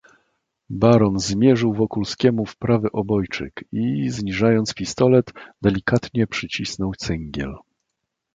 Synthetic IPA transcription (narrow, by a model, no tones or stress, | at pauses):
baɾɔnzmʲjɛʐɘwvɔkulskʲɛmufpɾavɘʔɔbɔjt͡ʂɘ̰kizɲiʐajɔnt̪spʲist̪ɔlɛt̪d̪ɛlʲikat̪ɲɛpʂɘt͡ɕisnɔw̪sɛŋɡʲjɛ̰l